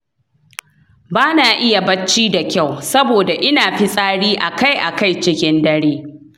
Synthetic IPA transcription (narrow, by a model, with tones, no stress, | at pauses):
baː˦naː˨ʔɪ˦ja˨bɐ˦t͡ʃːiː˦da˨kʲa˦˨wsɐ˦boː˨da˨ʔɪ˦naː˨ɸi˦sʼaː˦ɽiː˦ʔa˨ka˦˨jʔa˨ka˦˨jt͡ʃɪ˦kʲɪ˦ndɐ˦ɽeː˦